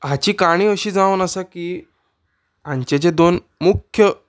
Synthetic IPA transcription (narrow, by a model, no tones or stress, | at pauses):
ɦãt͡ɕiːkaɽ̃ĩːəɕiːd͡zãʋənəsakiː | ãɲt͡ɕet͡ɕed̪on | mukʰjə